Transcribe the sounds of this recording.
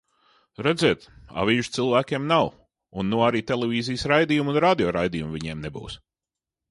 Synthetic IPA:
ɾɛd̪zeɛt̪a̰viːʒt̪silˠvæːkʲeɛmnaw | unːuɔaɾiːt̪elʲˠevʲiːzijəsɾajd̪ijumunɾaːd̪ʲiɔːɾajd̪ijumviɲeːmnebṵːs

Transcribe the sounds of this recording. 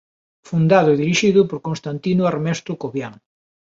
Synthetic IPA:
fund̪aðʊeðiɾiʃiðʊpoɾkõnst̪ant̪inʊaɾmɛst̪ɾʊkoβjaŋ

